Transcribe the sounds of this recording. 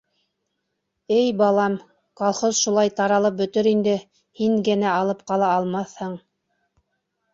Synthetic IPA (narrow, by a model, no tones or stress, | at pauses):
ɘjbɑlˠɑm | kɑlˠχozʃulˠɑjt̪ɑɾɑlˠɤp̚bɵ̆t̪ɵɾind̪ɘ | hiŋɡɘ̆næɑlˠɤp̚qɑlˠɑːlˠmɑθhɤɴ